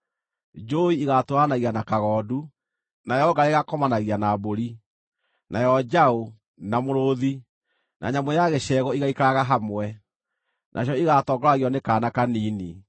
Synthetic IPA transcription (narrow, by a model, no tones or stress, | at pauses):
d͡ʒoiiɣatoanaɣianakaɣɔːdu | najɔɡaɾeɣakɔmanaɣianaboɾi | nʔajɔd͡ʒao | namoɾoði | nʔa̰ɲamwɛjaɣeʃɛɣɔiɣaikaɾaɣaɦamwɛ | nʔa̰ɕ̬jɔiɣatɔːɡɔɾaɣiɔnekaːnakaniːni